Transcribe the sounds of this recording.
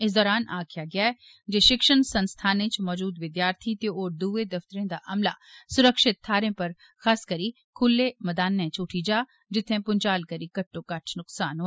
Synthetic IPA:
ɪs̬d̪ɔːɾaːnʔa̰ːkʰɪjaːɡɪjaːɛ | d͡ʒeːʃɪkʃənsənst̪ʰaːnẽt͡ʃmɔːd͡ʒuːd̪ʋɪd̪jaːɾt̪ʰit̪eoːɾd̪uːed̪ɐft̪əɾẽd̪aːʔɐmla̰ːsʊɾəkʃɪt̪ʰːaːɾẽpɐɾ | xaːskəɾi | kʰʊlːeːmɐd̪aːnːẽt͡ʃʊʈʰid͡ʒaː | d͡ʒɪt̪ʰːẽpʊɲt͡ʃaːlkəɾiːkɐʈːõːkɐʈʰnʊksaːnɦo

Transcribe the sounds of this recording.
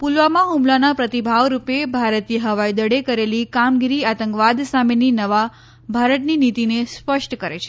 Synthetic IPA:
pulʋamãɦumlanapɾət̪ibʱaʋɾupebʱaɾət̪iɦəʋajd̪əɽekəɾelikamɡiɾiat̪ə̃ŋkʋad̪sameninəʋa | bʱaɾət̪ninit̪inespəʃʈkəɾet͡ʃʰe̥

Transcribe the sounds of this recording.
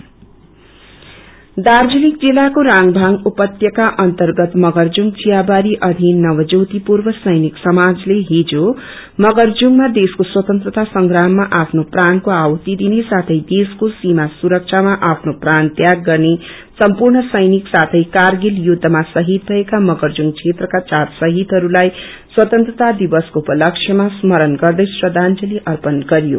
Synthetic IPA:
d̪ard͡zunik̚d͡zilːakoɾaŋbʱaŋupʌt̪jʌkaʔʌnt̪ʌrɡʌt̪mʌɡʌrd͡zuŋd͡zijabaɾiʔʌd̪ʱinːʌwʌd͡zʌwt̪ipurbʌsʌjniksʌmad͡zleɦid͡zo | mʌɡʌrd͡zuŋmad̪eskoswʌt̪ʌnt̪ɾrʌt̪asʌŋɡɾamːaʔapʰnoprankoawʌt̪id̪inesat̪ʰʌjd̪eskosimasuɾʌk̚t͡ʃʰamaʔapʰnoprant̪jaɡːʌrne | sʌmpurɳʌsʌjniksat̪ʰʌjkarɡiljud̪ʱːʌmasʌɦit̪̚bʱʌekamʌɡʌrd͡zuŋɡt͡sʰet̪rʌkat͡satsʌɦit̪ɦʌɾulaj | swʌt̪ʌnt̪rʌt̪ad̪ibʌskoupʌlʌkt͡ʃʰjʌmasmʌɾʌnɡʌrd̪ʌjsrʌd̪ʱand͡zʌliʔʌrpʌnɡʌɾjo̰

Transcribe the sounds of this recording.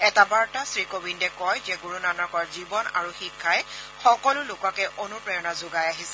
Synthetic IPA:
ɛtabaɹtasɹikobindɛkɔjzɛɡuɹunanɔkɔɹzibɔna̰ɹuxikʰːajxɔkɔlʊlʊkakɛʔonupɹɔjɔnazʊɡajaɦisɛ

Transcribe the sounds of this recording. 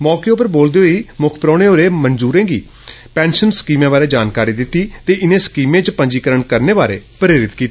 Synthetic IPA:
mɔːkeːʊpəɾboːld̪eːɦoiːmʊkʰpəɾɔ̃ːɽ̃eːoːɾeːmənd͡ʒuːɾẽːɡḭː | pɛ̃ːnʃənskiːmẽːbaːɾeːd͡ʒaːnkaːɾiːd̪ɪt̪ːiːt̪eːʔɪnẽːskiːmẽːt͡ʃpəɲd͡ʒiːkəɾəɳkəɾneːbaːɾḛːpɾeːɾɪt̪kiːt̪ː

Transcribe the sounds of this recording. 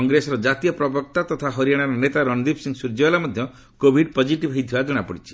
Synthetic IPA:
ɔŋɡɾesɔɾɔd͡ʒat̪ijɔpɾɔbɔk̚t̪at̪ɔt̪ʰaɦɔɾijaɽ̃aɾɔnet̪aɾɔnd̪ipʰsiŋɡsuɾd͡ʒɔlamɔd̪ʱjɔ | kobʱiɖpod͡ʒiʈibɦɔjt̪ʰibad͡ʒɔɽ̃apɔɽit͡ʃʰi̥

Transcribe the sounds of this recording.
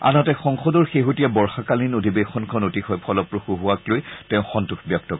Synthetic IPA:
a̰nɔtɛxɔŋxɔdɔɹxeɦutijabɔɹxakalinodʱibexɔnkʰɔnotixɔjpʰɔlɔpɹoxuɦuaklojtɛʊ̃xɔntuxbjɔk̚tɔk

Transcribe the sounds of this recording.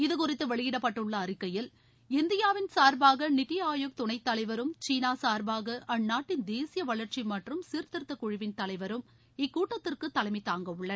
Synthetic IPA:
ɪðɯkʊrɪt̪ːɯʋɐɭɪjɪɽɐpːɐʈːɯɭːɐːrɪkːɐjɪl | ɪnd̪ɪjaːʋɪnsaːɾbaːɣɐnɪt̪ːɪjaːjok̚t̪ʊɳɐɪt̪ːɐlɐɪʋɐɾɯmt͡ʃiːnaːsaːɾbaːɣɐʔɐnːaːʈːɪnd̪eːsɪjɐʋɐɭɐɾt͡ʃimɐʈrɯmsiːɾt̪ɪɾɯt̪ːɐkʊɻɪʋɪnt̪ɐlɐɪʋɐɾɯm | ɪkːuːʈːɐt̪ːɪrkɯt̪ːɐlɐɪmɐɪt̪ːaːŋɡɐʋɯɭːɐ

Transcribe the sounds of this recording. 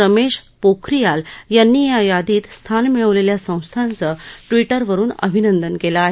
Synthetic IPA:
əmeɕ | pokʰɾijaljanːiːjajad̪iːt̪st̪ʰanmiɭəʋleljasə̃w̃st̪ʰant͡səʈʋiʈəɾʋəɾuːnə̰bʱinənd̪ənkelaːɦe

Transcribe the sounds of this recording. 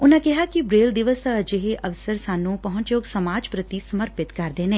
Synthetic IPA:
ʊnãkɛɦakibɾeːld̪ɪʋəst̪ad͡ʒeɦeʔɐʋsəɾsaːnũpɐɦʊ̃ɲt͡ʃjoːksəmaːd͡ʒpɾət̪isəməɾpɪt̪kɐɾd̪eːnẽː

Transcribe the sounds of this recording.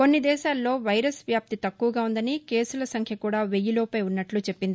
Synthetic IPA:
ko̞nːid̪ɛːʃaːlːo̞ːʋɐjɾɐsʋjaːp̚t̪it̪ɐkːuʋɐɡaːund̪ɐnike̞ːsulɐsɐŋkʰjɐkuːɽaːʋe̞jːuloːpɐjunːɐʈlut͡ʃe̞pːind̪i

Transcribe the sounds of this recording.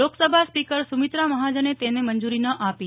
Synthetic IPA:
oksəbʱaspikəɾsumit̪ɾaməɦad͡ʒənet̪enemənd͡ʒuɾinəʔapi

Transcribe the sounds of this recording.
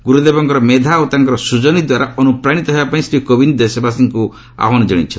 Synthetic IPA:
ɡuɾud̪ebɔŋkɔɾɔmed̪ʱawt̪aŋkɔɾɔsud͡ʒɔnid̪waɾaɔnupɾaɽ̃it̪ɔɦebapaĩsɾikobind̪esɔbasiŋku | a̰ɦɔnɔd͡ʒeɽḭt͡ʃʰɔ

